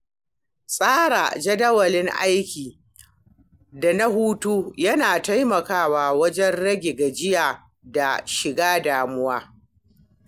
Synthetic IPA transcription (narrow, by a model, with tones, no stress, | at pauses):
sʼaː˦ɽa̰ː˨d͡ʒɐ˦dɐ˦wɐ˨lɪ˦ŋʔa̰˦jkʲiː˨ | da˨na˦ɦuː˦tuː˦jɐ˦naː˨ta˦jmɐ˨kaː˦waː˨wɐ˦d͡ʒɛ˦nɽɐ˦ɡʲe˨ɡa˨d͡ʒɪ˦jaː˨ | da˨ʃɪ˨ɡaː˦daː˨mʊ˦waː˦